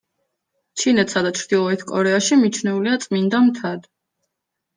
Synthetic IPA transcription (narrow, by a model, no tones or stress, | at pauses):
t͡ʃʰinɛt̪ʰsad̪at͡ʃʰɾd̪̥ilˠɔɛt̪ʰkʼɔ̰ɾɛaʃimit͡ʃʰnɛuliat̪sʼmind̪amt̪ʰad̪